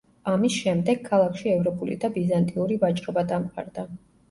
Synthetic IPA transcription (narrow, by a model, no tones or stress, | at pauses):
amisʃɛmd̪ɛɡ̥̚kʰːalˠakʰʃiɛvɾɔpʼulḭd̪abizant̪ʼiuɾivat͡ʃʼɾɔbad̪amqʼa̰ɾd̪a